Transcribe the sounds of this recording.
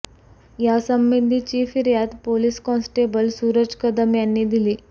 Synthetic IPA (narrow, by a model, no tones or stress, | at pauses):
jasəmbind̪ʱit͡ɕiːfiɾjat̪poliskɔnsʈebəlsuːɾəd͡ʑkəd̪əmjanːiːd̪iliː